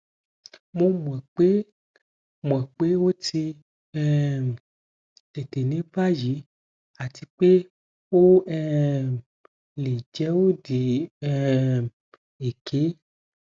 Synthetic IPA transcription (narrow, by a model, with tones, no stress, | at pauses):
mõ˦mũ˨ɛ˨k͡pe˦ | mũ˨ɛ˨k͡pe˦wo˦t̪i˧ | ɛ˦˨ | te˨te˨nẽ˦va˦ji˨˦ | a˨t̪i˧˦k͡pe˦ | wo˦ɛ˦ | le˨d͡ʒɛ˦wo˦di˨ɛ˨ | e˨kʰe˦